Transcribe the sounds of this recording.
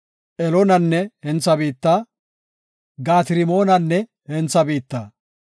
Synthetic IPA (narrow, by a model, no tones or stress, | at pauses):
ʔɛlonɐnːɛhɛnt͡sːɐbiːt̪ːaː | ɡaːt̪ɪɾɪmo̞ːnɐnːɛ | hɛnt͡sːɐbiːt̪ːa̰ː